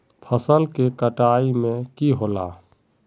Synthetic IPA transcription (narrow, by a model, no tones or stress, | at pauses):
pʰəsəlkekəʈaːimẽkiɦoːlaː